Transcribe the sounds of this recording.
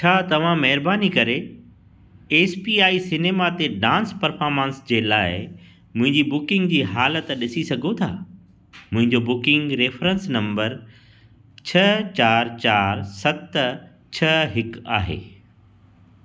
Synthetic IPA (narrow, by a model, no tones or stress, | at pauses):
t͡ɕʰaːt̪ɐʋ̤ãmɐɦɪɾbaːnikɐɾe | eːspiːaːisɪneːmat̪eɖãːnspɐɾfaːɾmãːnsd͡ʑeːlaːɪ | mʊ̃ɦɪ̃ɲd͡ʑibʊkɪ̃ŋɡ̚d͡ʑiːɦaːlət̪ɗɪsisɐɡʱot̪ʰa̰ː | mʊ̃ɦɪ̃ɲd͡ʑobʊkɪ̃ŋɡɾeːfɾə̃nsnɐ̃mbəɾ | t͡ɕʰɐt͡ɕaːɾt͡ɕaːɾsɐt̪ | t͡ɕʰɐɦɪka̰ːɦḛː